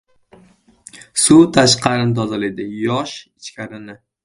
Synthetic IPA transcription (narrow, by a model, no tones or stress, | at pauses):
sut̪ʰaʃqʰɑɾɪnt̪ʰɒzaled̪ɪjɒʃɪt͡ʃkʲʰaɾɪnɪ